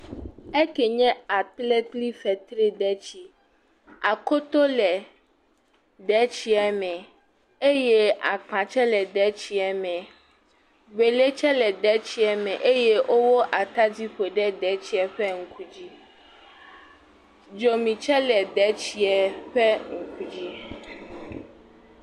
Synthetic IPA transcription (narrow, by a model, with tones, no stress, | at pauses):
ɛ˦kɛ˨ɲɛ̃˦a˨t̪lɛ˦t̪li˦fɛ˨t̪ɾi˦ɖɛ˦t͡ɕi˦ | a˨ko˦t̪o˦lɛ˨ | ɖɛ˦t͡ɕi˦ɛ˨mɛ̃˨ | e˦jɛ˦ʔa˨k͡pã˨t͡ʃɛ˦lɛ˨ɖ̪ɛ˨˦t͡ɕi˦ɛ˨mɛ̃˨ | be˨le˦t͡ʃɛ˦lɛ˨ɖ̪ɛ˨˦t͡ɕi˦ɛ˨mɛ̃˨ʔe˦jɛ˦wʔo˦wo˦ʔa˨t̪a˦di˦ɸo˨ɖɛ˦ɖɛ˨t͡ɕi˦ɛ˨ɸɛ˦ŋ̩˨kʰu˨d͡ʑi˦ | d͡ʒo˨mĩ˨t͡ʃɛ˦lɛ˨ɖɛ˦t͡ɕi˨ɛ˨ɸɛ˦ŋ̩˨kʰu˨d͡ʑi˦